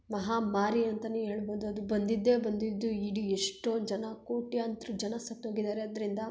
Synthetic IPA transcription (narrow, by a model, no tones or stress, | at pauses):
mɐɦaːmaːɾiɐnt̪ɐneɦeːɭbo̞ːd̪uɐd̪ubɐnd̪id̪ːe̞ːbɐnd̪id̪ːuiɽieʂʈod͡ʒɐnɐkoːʈijaːnt̪ɾud͡ʒɐnɐsɐt̪ːoːɡid̪aːɾeɐd̪ːɐɾind̪ɐ